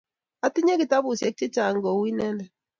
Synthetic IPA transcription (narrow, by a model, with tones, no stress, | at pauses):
a˦ti˦ɲe˦ki˨ta˦bʊ˨sjɛ˨˦k̚t͡ʃɛ˦t͡ʃa˨ŋɡɔ˨wi˦nɛ˦ndɛ˨